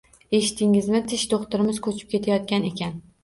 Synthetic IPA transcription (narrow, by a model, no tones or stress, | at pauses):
eʃɪ̥t̪ʰɪŋɪzmɪt̪ʰɪʃd̪oχt̪ʊɾɪmɪz̥kʰɵt͡ʃʰɪp̚kʲe̞t̪ʰajɒt̪̚kʲane̞kʲan